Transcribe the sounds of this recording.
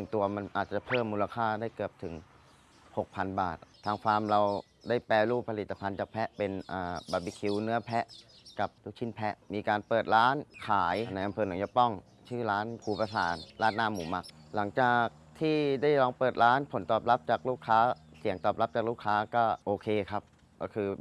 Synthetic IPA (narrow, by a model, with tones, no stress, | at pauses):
nɯ˨˩ŋt̪u˧ɐma˧nʔaː˨˩t̪̚t͡ɕa˨˩pʰɤː˥˩mːuː˧la˧kʰaː˥˩daː˥˩jkɯ˨˩əp̚t̪ʰɯ˩˦ŋ | ho˨˩k̚pʰa˧nba̰ː˨˩t̪̚ʰːaː˧ŋkʰaː˧mɾa˧w | daː˥˩jpɛː˧luː˥˩pʰa˧li˨˩t̪ːa˧pʰa˧nt͡ɕaː˨˩k̚pʰɛ˦˥ʔpe˧nʔaː˨˩baː˧bi˧˦kʰi˧wnɯ˦˥ɐpʰɛ˦˥ʔ | ka˨˩p̚tuː˦˧˩t͡ɕʰi˥˩npʰɛ˦˥ʔmiː˧kaː˧npɤː˨˩t̪̚ɾaː˦˥nkʰaː˩˦jna˧jʔa˧mpʰɤː˧na˨˩˦ŋjɔ˦˧˥pɔ˥˩ŋ | t͡ɕʰɯː˥˩ɾaː˦˥nkʰuː˧pa˧saː˩˦nlaː˦˥˩nːaː˥˩muː˨˩˦ma˦˥k̚la˩˦ŋt͡ɕaː˨˩k̚t̪ʰiː˥˩daː˥˩jlɔː˧ŋpɤː˨˩t̪̚ɾaː˦˥npʰo˩˦nt̪ɔː˨˩p̚la˦˥p̚t͡ɕaː˨˩k̚luː˥˩kʰːaː˦˥si˨˩˦əŋt̪ɔː˨˩pla˦˥p̚t͡ɕaː˨˩k̚luː˥˩kʰːaː˦˥kɔː˥˩ʔoː˧kʰeː˧kʰa˦˥p̚ | kɔː˥˩kʰɯː˧